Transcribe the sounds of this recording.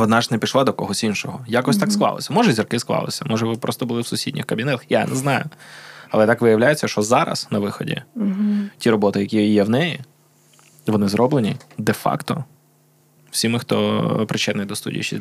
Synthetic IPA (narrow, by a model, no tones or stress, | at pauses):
ɔd̪nɑʒnepʲiʃlˠɑd̪ɔkɔɦɔsʲinʃɔɦɔjakɔsʲt̪ɑksklˠɑ̰lˠɪ̰sʲɐmɔʒɛzʲirkɪsklˠɑ̰lˠɪ̰sʲɐmɔʒɛʋɪpɾʔɔst̪ɔbʊlˠɪwsʊsʲidʲnʲixkɐbʲinɛt̪ɐxja̰nɛznɑjʊɐlˠɛt̪akʋɪjɐwlʲajɪt͡sʲːɐʃt͡ʃɔzɑɾɐ̰snɐʋɪxɔ̰dʲḭ | tʲiɾɔbɔt̪ɪjɐkʲijɛwnɛji | ʋɔnɪzɾɔblˠenʲid̪ɛfɑ̰kt̪ɔ̰ | w̥sʲimɪxt̪ɔ̰pɾɪt͡ʃɛd̪nɪjd̪ɔst̪ṵdʲḭj̰t͡ʃɛ̰